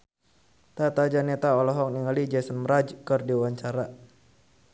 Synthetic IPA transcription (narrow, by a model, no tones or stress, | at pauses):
t̪at̪ad͡ʒanɛt̪aɔlɔɦɔk̚niŋalid͡ʒɛsənmɾad͡ʒkərdiwaɲt͡ʃaɾa